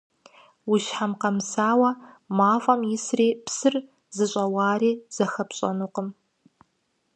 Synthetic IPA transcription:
wʊʃħamqɐmsaːwɐ | maːfʼɐmjɪsreːpsɨr | zɨɕʼɐwɑːriːz̥ɐxɐpɕʼɐ̰nuːqəm

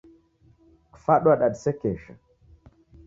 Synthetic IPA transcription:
faɗwaɗaɗsekeʃa̰

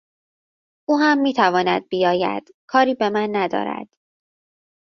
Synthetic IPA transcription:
uːɦæmːiːt̪ʰævɒːnæ̰d̪̚bijɒːjæ̰d̪̥ | kʰɒːɾiːbe̞mænːæd̪ɒ̰ːɾæ̰d̪̥

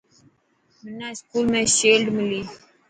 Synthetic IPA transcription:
mənaɪskuːlmẽʃeːlɖmɪli

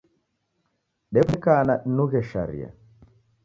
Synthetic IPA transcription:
ɗɛpɛkanaɗ̩nuɣɛʃa̰ɾḭa̰

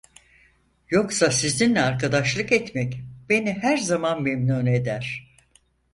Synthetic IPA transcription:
jo̞ksasizinlʲɛaɾkʰad̪aʃlˠɯkɛt̪mɛcb̥e̞nihæɾzamanmemnune̞d̪æɾ̥

